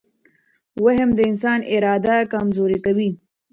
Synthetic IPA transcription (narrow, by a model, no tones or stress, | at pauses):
waɦəmd̪əɪnsɑːnɪɾɑːd̪akamzoɾikawi